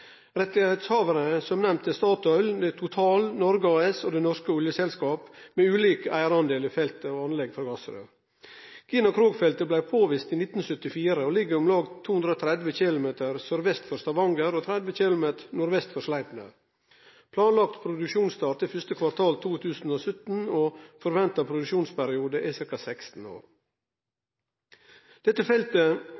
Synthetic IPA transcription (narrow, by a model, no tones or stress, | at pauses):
ɾɛt̪ɪhæɪt̪shɑːʋəɾəsɔmnɛmt̪əst̪ɑːt̪œʏld̪ɛt̪ʰʊt̪ʰɑːlnɔɾɡəɑːɛsoːd̪ɛnɔɾskəʊljəsɛlskɑːpmeːʉːliːkəʔæɪəɾɑnd̪eːliːfɛlt̪əoːɑnlɛɡfɔɾɡɑsəɾø̰ː | ɡ̥iːnɑkʰɾoːɡfɛlt̪əblæɪpʰoːʋɪst̪iːnɪt̪n̩sœt̪ɪfiːɾəoːlɪɡːəɾʊmlɑːɡt̪ʰːuːhʉnd̪ɾoːt̪ʰɾɛd̪ʋəçɪlʊmeːt̪əɾsœɾʋɛst̪fɔɾst̪ɑʋɑŋɡəɾoːt̪ʰɾɛd̪ʋəçɪlʊmeːt̪ənʊɾʋɛst̪fɔɾʂlæɪd̪nə̰ | pʰlɑːnlɑk̚t̪pʰɾʊd̪ʉkʃuːnst̪ɑːʈ̪əfʏʂt̪əkʰʋɑɾt̪ʰɑːlt̪ʰuːt̪ʰʉːsn̩oːsʏt̪n̩oːfɔɾʋɛnt̪ɑpʰɾʊd̪ʉkʃuːnspæɾɪuːd̪əʔɪsɪɾkɑsɛkst̪n̩o̰ːɾ | d̪̥ɛt̪ːəfɛlt̪ə